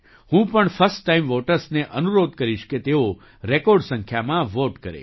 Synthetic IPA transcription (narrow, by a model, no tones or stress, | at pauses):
hũpəɳfəɾsʈʈːaimʋoʈəɾsneʔənuɾod̪̚kəɾiʃket̪eo | ɾekɔɾɖsə̃ŋkʰjamãʋoʈkəɾḛ